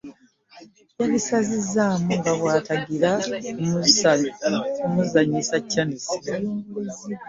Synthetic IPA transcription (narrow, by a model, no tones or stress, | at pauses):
cːanisazizaːmuŋɡaβwaːtaɡiɾamu | omuzaɲisacːanisi